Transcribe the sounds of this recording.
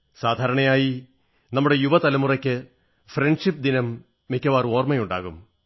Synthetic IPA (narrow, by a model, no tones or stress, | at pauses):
saːd̪ʱaːɾɐɳɐjaːji | nɐmːuɽe̞juʋɐt̪ɐlɐmurɐkʲːɨ | freɳɖʂip̚ːd̪inɐmː | ikʲːɐʋaːro̞ːrmɐjuɳɖa̰ːɣum